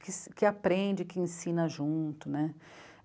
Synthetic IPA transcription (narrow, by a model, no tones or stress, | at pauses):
kɪskɪapɾẽd͡ʒɪkɪẽsĩnɐʒũt̪ʊnɛ